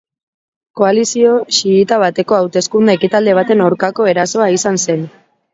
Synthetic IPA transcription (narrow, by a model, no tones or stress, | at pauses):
ko̞alisio̞siit̪aβ̞at̪e̞ko̞awt̪e̞skund̪aekit̪ald̪e̞β̞at̪e̞nawɾkako̞e̞ɾaso̞aisanse̞n